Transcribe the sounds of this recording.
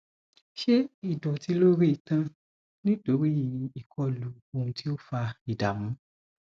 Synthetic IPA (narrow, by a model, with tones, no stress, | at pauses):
ʃe˦i˦˨dɔ̃˨ti˧lo˦ɾi˦i˨tã˧ | nĩ˦do˨˦ɾi˦ĩ˨i˨kʰɔ˧˦lu˨ | o˧˨hũ˧ti˦o˦fa˧i˨da˨mũ˨˦